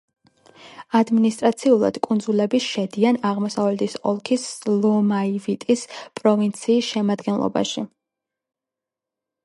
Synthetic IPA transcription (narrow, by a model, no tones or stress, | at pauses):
ad̪minist̪ʼɾat̪sʰiulˠa̰d̪̥kʼund̪zulɛbiʃɛd̪ianaʁmɔsavlɛt̪ʰisɔlˠkʰislˠɔmaivit̪ʼispʼɾɔvint̪sʰiːsʃɛmad̪ɡɛnlˠɔ̰ba̰ʃi